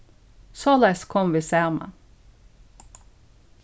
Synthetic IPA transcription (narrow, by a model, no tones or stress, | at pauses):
sɑːlæskʰɔmʋɪsæːʁmɑ̰n